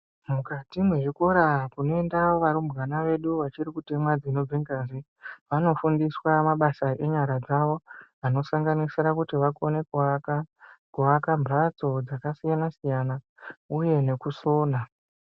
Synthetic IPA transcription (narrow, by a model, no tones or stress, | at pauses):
mukatimweʐiko̞ɾakuno̞e̞ndaoʋaɾumɡanaʋe̞ɗuʋat͡ʃiɾikute̞mwad͡zino̞iŋɡanze | ʋano̞fundiswamaɓasaʔe̞ɲaɾad͡zaʋo̞ano̞saŋɡanisiɾakutiʋakone̞kuakakuʋakambat͡so̞d͡zakasijanasijana | uje̞ne̞kuso̞ːna